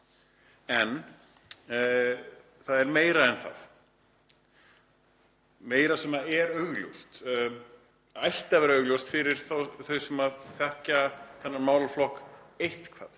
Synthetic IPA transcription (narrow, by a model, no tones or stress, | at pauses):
ɛn | θaðɛɾmeːjɾaɛnθa̰ð | meːjɾasɛmaɛɾœɥɣljṵwst̪ | ajht̪avɛːɾaœːɣljowst̪fɪɾɪɾ̥θawθœɥsɛmaðθɛhcaθɛnːaɾmaːwlaflɔhk | ejht̪kʰva̰ːð